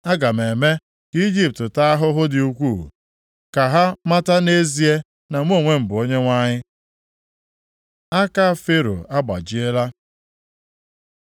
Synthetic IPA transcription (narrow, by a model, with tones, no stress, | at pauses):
a˦ɡa˨me˨me˦ | ki˦d͡ʒi˦p̚tɪ˨ta˦a˦ɦʊ˦ɦʊ˦dɪ˨u˦kʷu˦˨ | ka˨ɦa˦ma˦ta˦ne˦zi˦e˦ | na˨ŋʷ˦o˦˨ŋʷe˦m̩˨bʊ˨o˦ɲe˦ŋʷa˦ɲɪ˦ | a˦ka˦˨fe˦ɾo̰˨a˦ɡ͡ba̰˨d͡ʒi˦e˦la˦